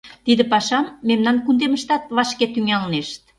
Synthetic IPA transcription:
t̪id̪ɘ̆pɑʃɑmːemnɑnkund̪eməʃt̪ɑt̪̚βɑʃket̪yŋɑlneʃt̪̚

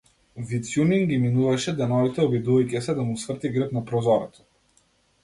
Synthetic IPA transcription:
vit̪sjuniŋɡiminuvaʃɛd̪ɛnɔvit̪ɛɔbid̪uvajcɛsɛd̪amusvr̩t̪iɡɾəpnapɾɔzɔɾɛt̪ɔ̥

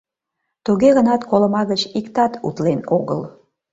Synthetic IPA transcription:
t̪uɣeɣənɑt̪koləmɑɣət͡ɕikt̪ɑt̪ṵt̪lenoɣə̰l

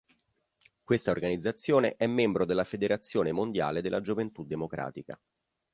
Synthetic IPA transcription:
kwest̪aorɡanid̪zːat̪sːjoːneʔɛmːembɾod̪elːafed̪eɾat̪sːjoːnemond̪ja̰ːled̪elːad͡ʒovent̪ud̪ːemokɾa̰ːt̪ika̰

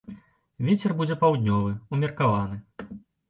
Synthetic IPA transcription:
vʲet͡sʲɛrbud͡zʲɛpawd̪ʲnʲɔvɨumʲɛrkavanɨ

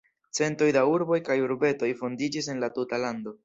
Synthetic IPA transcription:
t͡se̞nto̞jdauɾbo̞jkajuɾbe̞to̞jfo̞ndid͡ʒis̬e̞nlatutalando̞

